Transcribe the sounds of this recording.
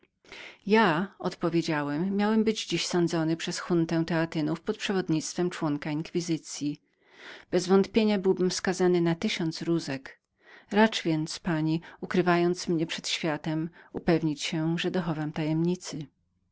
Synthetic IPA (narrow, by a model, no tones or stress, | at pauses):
jaɔ̰t̪pɔvʲjed͡ʑawɛmːjawɛmbɘd͡ʑd͡ʑiɕsɔnd̪zɔnɘpʂɛsxunt̪ɛ̃w̃t̪ɛat̪ɘnufpɔt̪̚pʂɛvɔd̪ɲit̪st̪fɛmt͡ʂwɔŋkaiŋkfʲizɘt̪sʲji | b̥ɛzvɔnt̪pʲjeɲabɘwbɘmfskazanɘnat̪ɘɕɔnt̪sɾuzɛk | ɾat͡ʂvʲjɛnt̪spaɲiukɾɘvajɔnt̪smɲɛpʂɛt̪ɕfʲjat̪ɛmupɛvɲit͡ɕɕɛʐɛd̪ɔxɔvamt̪ajɛmɲit̪sɘ